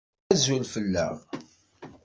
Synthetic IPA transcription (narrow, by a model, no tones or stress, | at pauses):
æzulfəlːæ̰ʁ